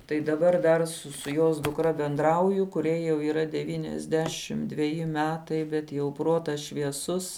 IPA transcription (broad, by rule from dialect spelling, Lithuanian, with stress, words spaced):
tɐɪ dɐˈbɐr dɐr ˈsʊ sʊ joːs dʊkˈrɐ bʲɛnˈdrɐʊjʊ kʊˈrʲɛɪ jɛʊ iːˈrɐ ˈdʲæːʋʲiːnʲɛzʲˌdʲæːʃʲɪm dʲʋʲɛˈjɪ ˈmʲæːtɐɪ bʲɛt jɛʊ ˈproːtɐs ʃʲʋʲiɛˈsʊs